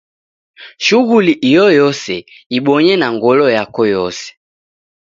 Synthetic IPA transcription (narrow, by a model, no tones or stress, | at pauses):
ʃuɣuliʔijɔjɔsɛ | iɓɔɲɛnaŋɡɔlɔjakɔjɔsɛ̥